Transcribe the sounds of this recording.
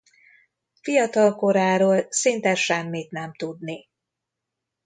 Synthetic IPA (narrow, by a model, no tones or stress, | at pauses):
fijɒt̪ɒlko̞ɾaːɾoːlsint̪ɛʃɛmːit̪nɛmt̪ud̪ni